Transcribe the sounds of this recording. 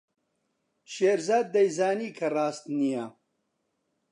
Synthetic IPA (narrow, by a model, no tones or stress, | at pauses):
ʃeːɾzaːd̪̚ːɐjzaːniːkʰɐraːst̪nija